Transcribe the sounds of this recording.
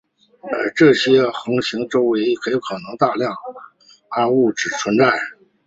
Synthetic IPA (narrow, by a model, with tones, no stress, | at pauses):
ə̰˧˩ʈ͡ʂɤ˥˩ɕjɛ˥xɤ˧˥ŋɕi˧˥ŋʈ͡ʂo˥ʊwe˧˥ɪkʰɤ˧˥i˧˥kʰɤ˨˩nɤ˧˥ŋt̪a˥˧ljɑ˥˩ŋ | a˥nu˥˩ʈ͡ʂɻ̩˨˩t͡sʰwə˧˥nt͡sa˥˩ɪ